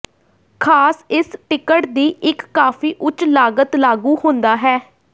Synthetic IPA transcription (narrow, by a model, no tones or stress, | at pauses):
kʰaːsɪsʈɪkəʈd̪iːʔɪkːaːfiːʔʊt͡ʃlaːɡət̪laːɡuːhʊ̃nd̪aːɦɛː